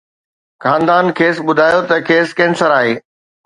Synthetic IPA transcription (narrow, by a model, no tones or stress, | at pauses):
kãːnd̪aːnkʰeːsɓʊd̪ʱaːjot̪ɐkʰeːskɐ̃ɦɪ̃nsəɾaːɦeː